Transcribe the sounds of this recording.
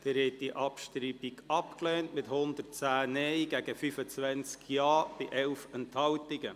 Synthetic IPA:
d̥ɛɾɛt̚diʔɑpʃtɾiːbiɡɑpklɛːntmɪthʊnd̪ət̚t͡sæːnɛɪɡ̥æɡəfyfət͡sʋɛnt͡skjɑːb̥ɪʔɛlfɛnthɑwtɪɡə

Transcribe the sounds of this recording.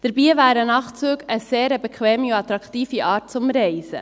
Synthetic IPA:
d̥əɾbiːvæːɾənɑχt͡syːɡəseːɾəbɛkʰχʋɛːmiuɑt̪ɾɑkt̪iːfiʔɑːt̚t͡sʊmɾɛɪsə̰

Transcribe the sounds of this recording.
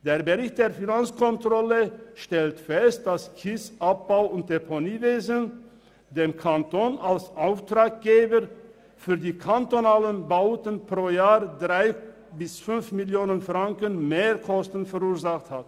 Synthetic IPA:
d̥eːɐbəʁɪçt̚d̥eːɐfinant͡skʰɔntʁ̥ɔləʃtɛltfɛst̚d̥askʰɪsʔap̚b̥aʊʊnt̚epʰoniːveːzən | deːmkʰantoːnalsʔaʊftʁ̥aːk̚ɡ̥eːbə | fyːɐdiːkʰantonaːlənbaʊtənpʁ̥oːjaːʁdʁaɪ | bɪsfʏnfmɪljoːnənfʁ̥aŋkənmeːʁkʰɔstən̩fɛʁuːɐzaχthat

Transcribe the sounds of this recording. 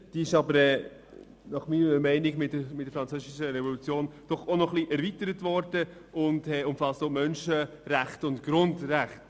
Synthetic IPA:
d̥iːɪʃɑbəɾɛː | nɑχmiːnəməmɛɪnɪɡmɪtəmɪtd̥ːəɾfɾɑnt͡søsɪʃəɾɛvɔlut͡sjoːnd̥ɔχonɔχliʔɛɾvitəɾətvɔɾd̥ə | ʊndɛʊmfɑstomœnʃə | ɾæχtʊntɡ̥ɾʊndræχt

